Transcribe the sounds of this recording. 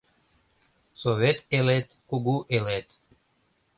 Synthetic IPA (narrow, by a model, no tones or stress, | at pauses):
soβʲet̪elet̪kuɡuʔelet̪